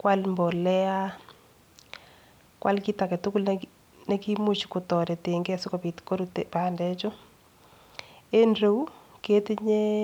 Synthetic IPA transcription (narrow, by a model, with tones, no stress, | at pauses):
kwa˦lmbɔ˨lɛ˦a˦ | kwa̰˦lki˦ta˨kɛ˨tʊ˦ku˦l | ne˦ki˦mu˦t͡ʃku˨tɔ˨ɾɛ˨te˨ŋɡɛ˦si˦ko˨pi˨tko˦ɾutepa˨ndɛt͡ʃʊ˦ | e˦nre˦wke˦tiɲe˦